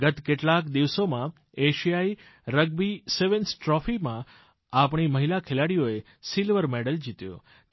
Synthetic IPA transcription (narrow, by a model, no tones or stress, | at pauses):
ɡət̪keʈlakd̪iʋsomã | eʃijai | ɾəɡ̚biseʋənsʈɾɔfimã | apɳ̃iməɦilakʰelaɽijoe | silʋəɾmɛɽəld͡ʒit̪jõ̰